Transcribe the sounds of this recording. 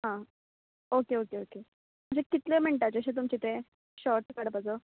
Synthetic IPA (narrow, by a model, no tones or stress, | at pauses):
ɦã | okeokeoke | m̤əɳd͡ʑekit̪lem̤əɳʈ̪at͡ɕəɕet̪umt͡ɕit̪e | ɕɔɾʈkaɽəpad͡zə